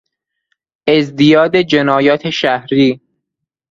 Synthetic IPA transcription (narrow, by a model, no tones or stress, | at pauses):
ʔezd̪ijɒːd̪ed͡ʒenɒːjɒːt̪ʰeʃæhɾiː